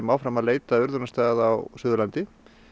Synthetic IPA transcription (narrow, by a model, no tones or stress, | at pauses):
mawfɾamaðleːjt̪aʏɾðʏnast̪ajɣaðawsʏːðʏlant̪ɪ